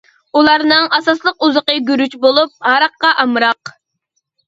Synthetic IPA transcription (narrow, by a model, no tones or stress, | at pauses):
ulˠɑɾnɨŋɑsɑslˠəquzəqəɡʲyɾyt͡ʃbolˠup̚hɑɾɑqːɑʔɑmɾɑq